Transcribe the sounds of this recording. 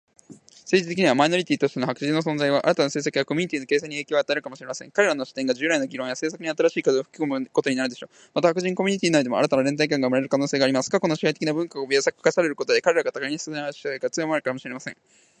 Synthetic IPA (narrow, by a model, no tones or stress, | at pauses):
se̞ːʑit̪e̞kʲiɲ̟iβamaino̞ɾʲit̪ʲiːt̪o̞ɕt̪e̞noakɯ̟ʑĩnːo̞sõnzaiβaʔa̰ɾat̪anaseːsakɯ̟jako̞mʲiɲit̪iːnke̞ːsẽɲ̟ieːkʲoat̪ae̞ɾɯkamo̞ɕiɾe̞masẽ̞ŋkaɾe̞ɾano̞ɕi̥t̪ẽ̞ŋɡaʑɨːɾaino̞ɡʲiɾõɰjase̞ːs̬akɯ̟ɲ̟iat̪aɾaɕiːkazoɸɯ̟kʲi̥ko̞mɯ̟ko̞t̪o̞ɲinaɾd̪e̞ɕo̞ː | mat̪ahakɯ̟ʑĩŋkomʲiɲ̟it̪ʲiːnaid̪eo̰a̰ɾat̪anaɾẽ̞nt̪aik̬ãŋɡamɯɾeɾɯ̟kano̞ːse̞ːɡaːɾimasɨ̥kako̞no̞ɕi̥hait̪ekʲinabɯ̟̃ŋkaobʲiasakkasaɾe̞ɾɯ̟ko̞t̪o̞d̪ekaɾe̞ɾaɡat̪aɡaiɲ̟ist͡szẽɕi̥akat͡sɨomoaɾɯ̟kamo̞ɕiɾe̞masẽŋ